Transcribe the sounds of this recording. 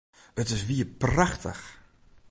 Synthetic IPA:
ətɪsʋiəpraxtʰə̰x

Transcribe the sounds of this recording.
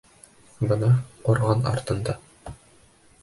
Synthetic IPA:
bɤ̆nɑquɾʁɑnɑ̰ɾt̪ɤ̆nd̪ɑ

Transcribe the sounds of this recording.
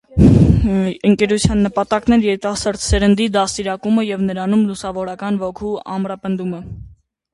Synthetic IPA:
əŋkɛɾut͡sʰjɑnːəpɑt̪ɑknɛɾjɛɾit̪ɑsɑɾt̪sɛɾənd̪id̪ɑsiɾɑkuməjɛvnəɾɑnumlusɑvɔɾɑkɑnvɔkʰuɑ̰mɾɑpənd̪umə

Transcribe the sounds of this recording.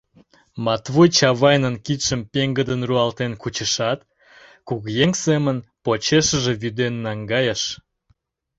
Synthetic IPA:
mɑt̪βujt͡ɕɑβɑjnənkit̪ʃəmpeŋɡəd̪ənruɑlt̪enkut͡ɕəʃɑt̪ | kuɣjeŋsemənpot͡ɕeʃəʒeβyd̪enːɑŋɡɑjəʃ

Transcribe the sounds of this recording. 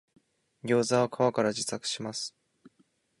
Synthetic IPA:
ɡʲo̞ːzaβokʰaβakaɾaʑit͡sakɯ̟̥ɕimasɨ̥

